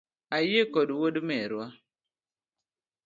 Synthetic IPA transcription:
ajekɔduwodimɛɾwa

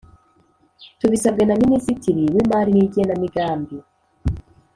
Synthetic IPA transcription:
tuβisabɡenaminisitiɾiβimaːɾiniɟijenamiɡaːmbi

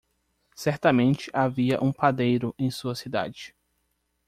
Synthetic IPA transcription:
sɛɾt̪ɐmẽnt͡ʃɪʔaviɐ̰ʔũpad̪ejɾʊʔẽj̃suɐsid̪a̰d͡ʒɪ

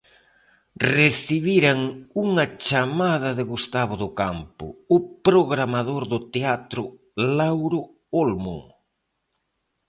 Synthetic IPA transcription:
reθiβiɾaŋuŋɐt͡ʃamaðɐðɪɣust̪aβ̞ʊðʊkampʊ̰ʊpɾoɣɾamað̞oɾðʊt̪eat̪ɾʊ | lawɾʊ | olmṵ

